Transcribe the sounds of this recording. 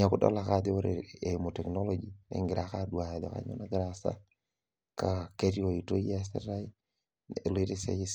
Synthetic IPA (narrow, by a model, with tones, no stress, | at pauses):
a˨kʊ˦dɔ̰˦la˨kadɪ˦o˦ɾeemo˨tɛ˨kno˦lod͡ʒinɛ̰˨ŋɡɪɾa˨ka˦dwa˨ɛ˨dɔ˨ka̰˦ɲo̰˦na˦ɡɾasa̰ | kakeɾi˦o˨ito˦d͡ʒi˦as̬ɛ̰˦ɾa˦j | nli˦ɾesɛ̰˦is